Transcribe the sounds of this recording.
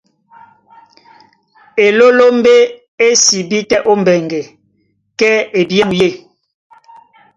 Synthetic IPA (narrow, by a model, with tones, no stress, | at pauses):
e˨lo˦lo˦m˦be˦ | e˦si˨bi˦tɛ˦ʔo˦m˨bɛ˨ŋɡɛ˨ | kɛ˦e˨bja˦ŋ˨je˦˨